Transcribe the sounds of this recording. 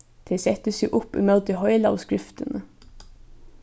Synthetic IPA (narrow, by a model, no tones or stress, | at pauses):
t̪ʰɪsɛt̪əsiːʔʊpːḭːmɛlt̪̚d̪iːhɔʏlɑ̰ʋskɾɪft̪ənə